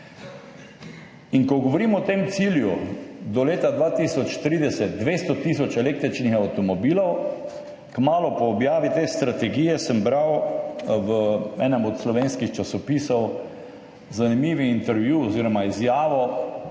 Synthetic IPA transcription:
iŋkɔɡɔʋɔɾiːmɔt̪emt̪siːljud̪ɔleːt̪ad̪ʋaːt̪isɔt͡ʃt̪ɾiːd̪ɛsɛt̪̚d̪ʋeːst̪ɔt̪is̬ɔt͡ʃɛleːk̚t̪ɾit͡ʃnixawt̪ɔmɔbiːlɔw | kmaːlɔpɔːbjaːʋit̪eːst̪ɾat̪ɛɡijɛsəmbɾawʋəɛːnɛmɔt̪slɔʋeːnskixt͡ʃasɔpiːsɔw | zanimiːʋiːnt̪ɛɾʋjuɔziːɾɔmaizjaːʋɔ

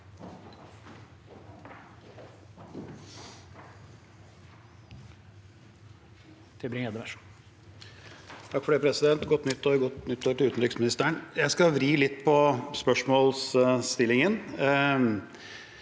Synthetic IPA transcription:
t̪ʰɪbɾɪŋeːd̪əʋæʂ | t̪ʰɑkːfɔɖeːpʰɾɛsɪd̪ɛnt̪ɡɔt̪ːnʏt̪ːɔɡɔt̪nʏt̪ːoːəʈ̪ɪʉːt̪n̩ʏksmɪnɪst̪æːəɳjæɪskɑʋɾiːlɪt̪ːpʰɔspœʂmoːlst̪ɪlːɪŋən

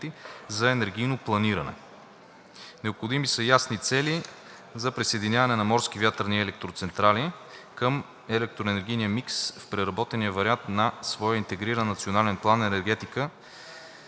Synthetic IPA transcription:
t̪izɐɛnɛɾɡ̟ijnoplˠɐniɾɐnɛ̰ | nɛopxod̪imisəjasnit̪sɛli | zɐpɾisejd̪inʲavɐnɛnɐmɔɾskivʲjat̪əɾniɛlɛk̚t̪ɾot̪sɛnt̪ɾalikəm | ɛlɛk̚t̪ɾoɛnɛɾɡ̟ijnijəmiksfpɾɛɾɐbɔt̪ɛniəvɐɾʲiant̪nɐsvɔjəint̪ɛɡɾiɾənːɐt̪sionalɛnplˠanːɐɛnɛɾɡɛt̪ikə

